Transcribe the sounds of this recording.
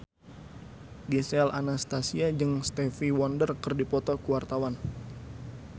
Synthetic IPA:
disɛalʔanast̪asiad͡ʒɨŋst̪ɛfiwɔndərkɨrdipɔt̪ɔkuwart̪awan

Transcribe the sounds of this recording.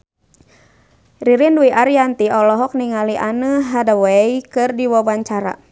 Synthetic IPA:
riɾinduiʔaɾijant̪iɔlɔɦɔk̚niŋaliʔanəɦadawɛikɨrdiwawaɲt͡ʃaɾa̰

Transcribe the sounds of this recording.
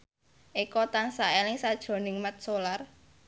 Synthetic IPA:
ʔikɔt̪aŋsaɛlɪŋsad̥ʒ̥o̤nɪŋmat̪̚solar

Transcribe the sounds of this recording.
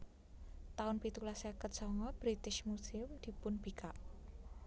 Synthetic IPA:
t̪aʊnpit̪ulasakəsɔŋɔb̥ɾit̪ɪʃmusɪmd̪̥i̤pʊnb̥ikaʔ

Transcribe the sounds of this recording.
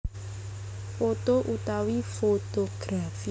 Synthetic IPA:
fot̪oʔut̪awifot̪oɡ̥ɾafi

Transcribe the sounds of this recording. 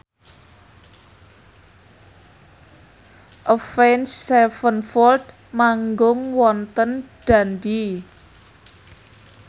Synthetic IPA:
ʔəfɛnsːɛfənfɔld̪ | maŋɡʊŋwɔnt̪ənɖ̪̥a̤nd̪i

